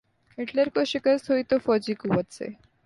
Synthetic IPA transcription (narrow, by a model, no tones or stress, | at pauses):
eʈleɾkoʃikaɾst̪ʰoit̪ofɔd͡ʑikubət͡sʰḛ